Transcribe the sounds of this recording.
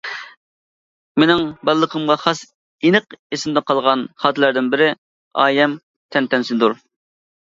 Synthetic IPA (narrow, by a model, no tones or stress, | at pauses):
menɪŋbɑlˠːəqʰəmʁɑχɑs | inɨqesɪmd̪ɛqɑlˠʁɑnχɑt̪ʰɨlæɾd̪ɪnbɪɾɪ | ɑ̰ːjɛm | t̪ʰɛnt̪ɛnsɪnd̪uɾ